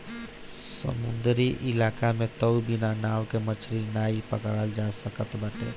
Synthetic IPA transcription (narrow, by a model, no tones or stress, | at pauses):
sə̰mũnd̪ɾiʔɪlaːkamẽt̪əwbinanaːwkemət͡ʃʰɾinaːipəkɽald͡ʒaːsəkət̪bəʈḛ